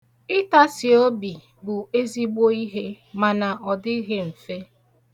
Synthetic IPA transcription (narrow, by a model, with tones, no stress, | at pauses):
ɪ˦ta˦sɪ˨o˦bi˨ | bʊ˨e˦zi˦ɡ͡bo˦i˦ɦe˦ | ma˨na˨ʔɔ˨dɪ˦ɦe˦m̩˨fe˦